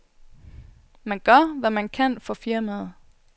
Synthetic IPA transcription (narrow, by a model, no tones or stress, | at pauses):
mænɡ̥ɶɐ̰ʋæmænkʰæn̰fɒ̽fiɐmæð̩ˠ